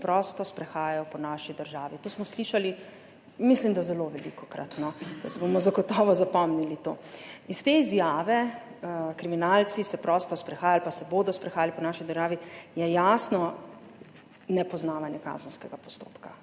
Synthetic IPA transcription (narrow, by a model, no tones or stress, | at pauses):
pɾɔːst̪ɔspɾɛxaːjajɔpɔnaːʃid̪əɾʒaːʋit̪oːsmɔsliʃali | mislimd̪azɛloʋɛlḭkɔkɾa̰t̪nɔt̪osɛbomɔzaɡɔt̪ɔːʋɔzapɔmnilit̪oːist̪eizjaːʋɛ | kɾiminaːlsisɛpɾɔst̪ɔspɾɛxaːjalpasɛboːd̪ɔspɾɛxaːjalipɔnaːʃid̪əɾʒaːʋijɛjaːsnɔ | nɛpɔznaːʋanjɛka̰ːzən̩skɛɡapɔ̥st̪o̰ːpka